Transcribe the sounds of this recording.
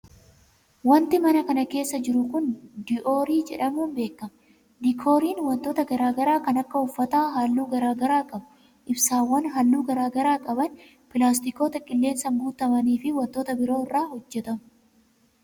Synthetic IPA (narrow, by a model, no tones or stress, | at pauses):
wɐnt̪ɪmɐnɐkɐnɐke̞ːsːɐd͡ʒɪɾʊkʊnd̪ɪʔo̞ːɾiːd͡ʒɛ̰ᶑɐmuːnbe̞ːkːɐm | d̪ɪkʰo̞ːɾiːnwɐnt̪oːt̪ɐɡɐɾaːɡɐɾaːkɐnɐkːɐʊfːɐt̪aːɦaːlːuːɡɐɾaːɡɐɾaːkʼɐbʊ | ʔɪbsaːwːɐnɦaːlːuːɡɐɾaːɡɐɾaːkʼɐbɐn | pɪlaːs̬t̪ɪko̞ːt̪ɐkʼɪlːe̞ːnsɐmbuːt̪ɐmɐniːfɪwɐnt̪o̞ːt̪ɐbɪɾo̞ːɪrːaːhɔd͡ʒːɛt̪ɐmʊ